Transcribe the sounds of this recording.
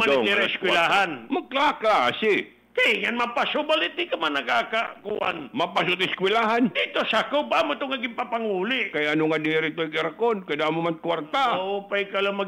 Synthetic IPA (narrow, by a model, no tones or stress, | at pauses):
aniɾaskwilaɦanmaklaklaːsi | k̪aiŋanmapasʊbalit̪ikamanakakakṵʔa̰nmapasʊt̪̬ɪskwilaɦand̪it̪osakopamʊt̪oŋaɡɪmpapaŋuliʔkajanoŋadiɾit̪ojkɪrkonkadamomankwart̪aopajkaloma